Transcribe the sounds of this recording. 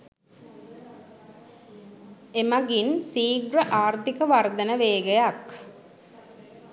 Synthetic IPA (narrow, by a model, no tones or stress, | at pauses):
emɐɡinsiːɡɾəʔaːɾt̪ikəʋard̪ɐnəʋeːɡejak